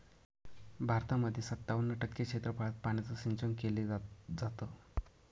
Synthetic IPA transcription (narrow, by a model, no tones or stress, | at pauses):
bʱaɾt̪aməd̪ʱjesət̪ːaʋənːəʈəkːəkʂet̪ɾəpaɭət̪̚paɽ̃it͡səsint͡ɕəŋkeled͡zat̪ə